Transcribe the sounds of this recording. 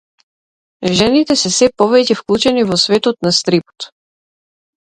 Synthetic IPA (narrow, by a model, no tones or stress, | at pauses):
ʒɛnit̪ɛsɛsɛpɔvɛcɛfklˠut͡ʃɛnivɔsvɛt̪ɔt̪nast̪ɾipɔ̥t̪